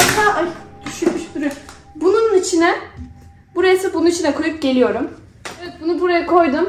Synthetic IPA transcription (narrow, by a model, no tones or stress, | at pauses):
aʔajd̪̥yʃynmiʃd̪uɾy | bununit͡ʃʰinɛ | buɾajasɯbununit͡ʃʰinɛkʰo̞jup̚ɟe̞lʲijo̞ɾum | evɛt̪̚bunubuɾajakʰo̞jd̪um